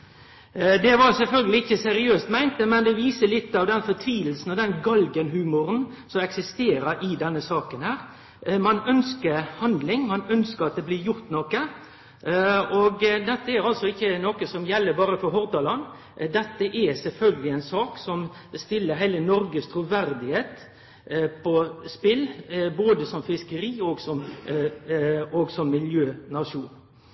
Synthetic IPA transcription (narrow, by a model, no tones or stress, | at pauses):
d̪ɛʋɑsɛlfœlɡəlɪɪçːəsɛɾɪøːst̪mæɪnt̪əmɛnd̪ɛʋiːsəlɪt̪ːɑʋd̪ɛnfɔt̪ʰʋiːll̩sn̩ɔd̪ɛnɡɑlɡənhʉːmʊɾən | sɔmɛksɪst̪eːɾəɾɪd̪ɛnːəsɑːkənhæːɾ | mɑnœnskəɾhɑnd̪lɪŋmɑnœnskəɾɑt̪̚d̪ɛblɪɾjʊɾt̪nɔkə | ɔɡd̪ɛt̪ːəæɾɑlsɔɪçːənɔkəsɔmjɛlːəbɑːɾəfɔɾɦɔɾd̪ɑlɑn | d̪ɛt̪ːəʔɛsɛlfœlɡəlɪɛɪnsɑːksɔmst̪ɪlːəɾɦæɪlənɔɾɡəst̪ʰɾuːʋæɾd̪ɪheːt̪ | pʰɔspɪlboːd̪əsɔmfɪskəɾiːoːɡsɔm | oːɡsɔmːɪljøːnɑʂuːn